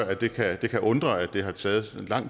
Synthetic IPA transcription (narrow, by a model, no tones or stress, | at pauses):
ɐæd̥e̝kʰæd̥e̝kʰæʔɔ̽nd̥ʁɐæd̥e̝ɦɑ̈t͡sʰɛːð̞̩ˠenlɑ̈ŋ̰